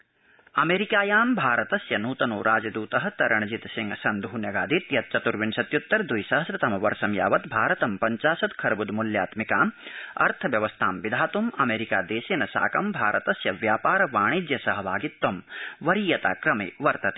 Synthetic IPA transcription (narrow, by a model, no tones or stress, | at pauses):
ɐmeːɾikaːjaːmbʱaːɾɐt̪ɐsjɐnuːt̪ɐnoːɾʔaːd͡ʒɐd̪uːt̪ɐɦɐt̪ɐɾɐɳ̃ɐd͡ʒit̪siŋɡsɐnd̪ʱuːnjɐɡaːd̪it̪jɐt̪̚t͡ʃɐt̪uɾʋinsɐt̪jut̪ːɐɾd̪ujsɐɦɐsɾɐt̪ɐmɐʋɐɾsɐmja̰ːʋɐt̪bʱaːɾɐt̪ɐmpɐɲt͡ʃaːsɐd̪kʰɐɾɐbud̪muljaːt̪mikaːmɐ̰ɾt̪ʰɐʋjɐʋɐst̪ʰaːmʋid̪ʱaːt̪umɐmeːɾikaːd̪eːseːnɐsa̰ːkɐmbʱaːɾɐt̪ɐsjɐʋjaːpaːɾɐʋaːɳ̃id̪jɐsɐɦɐʋaːɡit̪ːɐmʋɐɾiːjɐt̪a̰ːkɾɐmḛːʋɐɾt̪ɐt̪e̥ː